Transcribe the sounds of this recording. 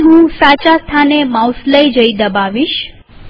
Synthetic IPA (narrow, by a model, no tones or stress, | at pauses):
ɦũsat͡ʃast̪ʰanemawsləjd͡ʒəid̪əbaʋiʃ